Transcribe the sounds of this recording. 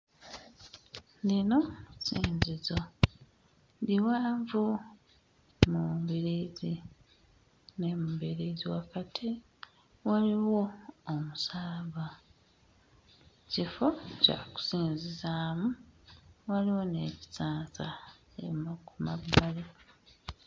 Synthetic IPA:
lino̞siːnzizo | ndiwaːɱvu | mumbiɾizi | nemumbiɾiziwakatʰi | waliwo̞ːmusaːβa | cifo̞ca̰ku̥siːnzizaːmu | waliwo̞ne̞ːci̥zaːnsa̰ | ḛmakuma̰bːale

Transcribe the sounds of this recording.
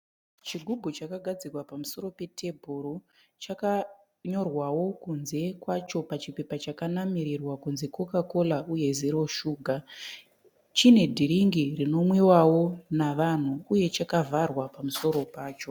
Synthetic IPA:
t͡ʃiɡʱubʱot͡ʃakaɡʱad͡zirwapamuso̞ɾo̞pe̞tʰe̞bʱuɾo | t͡ʃaka | ɲo̞rwawo̞kunze̞kwat͡ʃo̞pat͡ʃipe̞pat͡ʃakanamiɾirwakunzeko̞kako̞lauje̞zeɾo̞ʃuːɡʱa | t͡ʃine̞dʱiɾiŋɡirino̞mwiwawo̞naʋan̤uuje̞t͡ʃakavʱarwapamuso̞ɾo̞paːt͡ʃo̞

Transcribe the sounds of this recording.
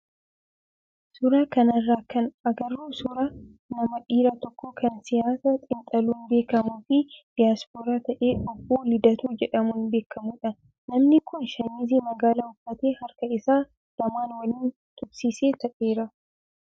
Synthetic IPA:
sʊɾaːkɐnɐrːaːkɐnɐɡɐɾːuːsʊɾa | nɐmɐᶑiːɾat̪ɔkʰːɔkɐnsɪjaːsɐt̪ʼɪnt̪ʼɐluːnbe̞ːkɐmuːfɪd̪̥ɪjaːspoːɾaːt̪ɐʔe̞ːɔbːoːlɪd̪ɐt̪uːd͡ʒɛᶑɐmunbe̞ːkːɐmuːᶑɐnː | ɐmnɪkʊnʃɐniːziːmɐɡaːlɐʊfːɐt̪eːhɐɾkɐɪsaː | d̪̥ɐmaːnwɐliːn | t̪ʼʊbsiːse̞ːt̪ɐʔe̞ːɾɐ

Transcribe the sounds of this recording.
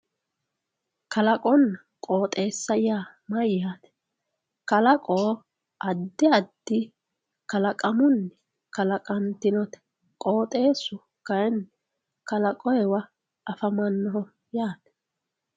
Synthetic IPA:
kɐlɐkʼɔn | kʼoːt̪ʼe̞ːsːɐjaːmɐjːaːt̪ɛ̥ | kɐlɐkʼoː | ʔɐd̪ːɪɐd̪ːɪ | kɐlɐkʼɐmʊnːɛ | kɐlɐkʼɐnt̪ɪnɔt̪ɛ̥ | kʼoːt̪ʼe̞ːsʊ | kɐjɛnː | kɐlɐkʼɔjɛwɐ | ʔɐfɐmɐnːɔɦɔ | jaːt̪ɛ̥

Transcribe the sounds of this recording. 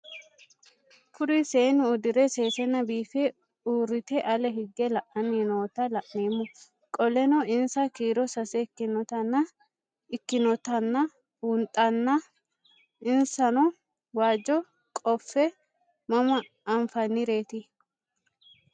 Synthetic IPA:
kʊɾiseːnɪʊd̪ɪɾɛse̞ːsɛnɐbiːfɛ | uːrɪt̪ɛʔɐlɛɦɪɡːɛlɐʔɐniːnoːt̪ɐlɐʔneːmːʊ | kʼɔlɛnɔɪnsɐkiːɾɔsɐsɛɪkːɪnɔt̪ɐnːɐ | ɪkːɪnɔt̪ɐnːɐ | wʊnt̪ʼɐnːɐ | ɪnsɐnɔ | waːd͡ʒːɔ | kʼɔfːɛ | mɐmɐː | ɱfɐnːɪɾe̞ːt̪ɪ

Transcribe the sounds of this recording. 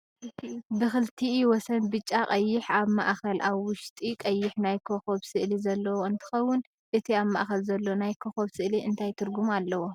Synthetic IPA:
ɨibɨxɨlt̪ʰiwɔsɐnbɨt͡ʃʼːakʼɐjːɪħaβma̰ʔxɐlʔaβwʊʃt̪ʼikʼɐjːɪħnajkʰoxo̞βsɨʔlizɐlːɐwoɨnt̪ʰɨ̥xɐwːʊn | ʔɨt̪ʰiaβmaʔxɐlzɐlːonajkʰoxoβsɨʔliʔɨnt̪ʰajt̪ʰɨɾɡumalːɐwo

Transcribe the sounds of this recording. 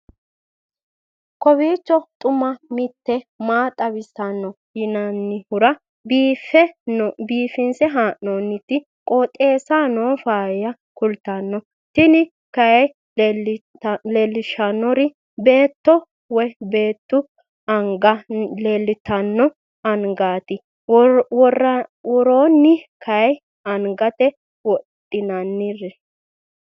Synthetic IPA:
kɔbiːt͡ʃːɔt̪ʼʊmɐmɪt̪ːɛmaːt̪ʼɐbɪsɐnːɔ | jɪnɐnːɪhʊɾɐ | biːfːɛnbiːfɪnsɛɦaːʔnoːnːɪt̪ːɪ | kʼoːt̪ʼːe̞ːsaːnoːfaːjɐ | kʊlt̪ːɐnːɔ | t̪ɪnɪ | kɐjɛj | tleːlːɪʃɐnːɔɾɪ | be̞ːt̪ːɔ | wɛbe̞ːt̪ːʊ | ɐŋɡɐleːlːɪt̪ɐnːɔ | ɐŋɡaːt̪ɪ | wɔrɐwɔɾoːnːɪkʰɐj | ɐŋɡɐt̪ɛ | wɔtʼːɪnɐnːɪɾɛ

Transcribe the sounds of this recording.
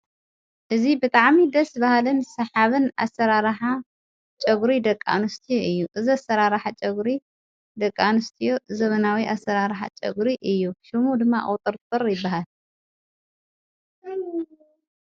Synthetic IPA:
ʔɨzibɨt̪ʼaʕmid̪ɐsbahalɨnsɐħaβɨna̰sɐɾaɾħa | t͡ʃʼɐɡɾid̪ɐkʼːa̰nɨst̪ʰijoʔɨjːuʔɨziasɐɾaɾħat͡ʃʼɐɡɾi | d̪ɐkʼːanɨst̪ʰijozɐβɐnawiʔasːɐɾaɾħa̰t͡ʃʼɐ̰ɡɾiʔɨjːuʃɐmud̪ɨmːaʔʼwt̪ʼɨɾt̪ʼɨɾjɪbːaɦal

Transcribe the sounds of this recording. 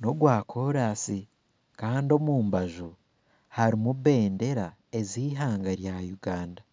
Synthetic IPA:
no̞ɡwaːkʰo̞ɾaːsi | kaːndo̞muːmbaʒu | haɾimuβe̞ːnde̞ɾa | e̞ziːɦaːŋɡaɾjajuɡaːnda

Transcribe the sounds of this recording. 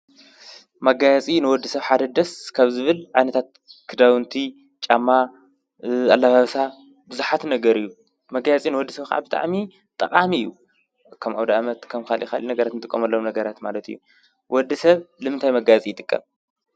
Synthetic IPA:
mɐɡajɐt͡sʼinɨwɔd̪ːisɐβħad̪ɐd̪ɐskʰaβzɨβɨlʕajnɐt̪ʰat̪̚ | kʰɨd̪awɨnt̪ʰi | t͡ʃʼamːa | alːaβaβsa | bɨzuħat̪nɐɡɐɾijːu | mɐɡajat͡sʼinɨwɔd̪ːisɐβka̰ʕa̰bɨt̪ʼa̰ʕmi | t̪ʼɐqʼamiɨjːu | kʰɐmʔa̰wd̪aʔamɐt̪kʰɐmkʰalʔikalinɐɡɐɾat̪nɨt̪ɨkʼːɐmɐlːomnɐɡɐɾat̪ma̰lɐt̪ʰijːu | wɔd̪ːisɐβlɨmɨnt̪ʰajmɐɡajɐt͡sʼijɪt̪ʼɨkʼːɐ̰m

